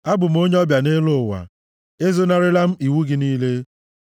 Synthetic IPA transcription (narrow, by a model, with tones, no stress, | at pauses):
a˦bʊ˨m̩˦o˦ɲ˦ɔ˦bja˨ne˦lʊ˦˨wa̰˨ | e˦zo˦na˦ɾɪ˦la˦m̩˦i˨wu˦ɡɪ˦niː˦le˦